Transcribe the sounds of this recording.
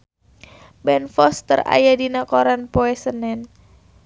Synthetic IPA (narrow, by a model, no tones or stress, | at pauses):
bɛnfɔst̪əra̰jadinakoɾanpoɛsənɛn